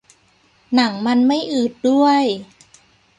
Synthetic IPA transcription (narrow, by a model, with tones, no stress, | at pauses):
na˩˦ŋma˧nma˥˩jʔɯː˨˩t̪̚du˥˩əj